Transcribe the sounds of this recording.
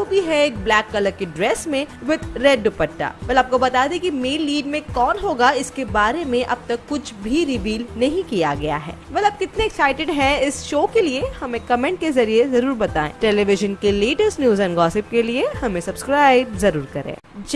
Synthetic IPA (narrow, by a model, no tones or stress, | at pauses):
bʱiɦɛeːk̚blɛːkːɐləɡ̚keɖɾɛːsmẽʋɪt̪ʰɾɛːɖːʊpɐʈːa̰ːʋɐlɐːp̚kobɐt̪aːd̪ẽkimeːlːiːɖmẽkɔːnɦoːɡaɪskebaːɾemẽʔɐb̚t̪ɐkːʊt͡ʃʰbʱiɾɪʋiːlnɐɦĩkijaɡɐja̰ɦɛ̰ːbɛlɐb̚kɪt̪neɛksaːɪʈɪɖɦɛ̃ɪsʃoːkeliehɐmẽkɐmẽɳʈ̚kezɐɾiezɐɾuːɾbɐt̪aːḛ̃ːʈeːleʋɪʒənkeleːʈəsnjuːzɛ̃ːnɡɔːsɪp̚keliehɐmẽsɐbskɾaːɪbzɐɾuːɾkɐɾḛ̃ːd͡ʒ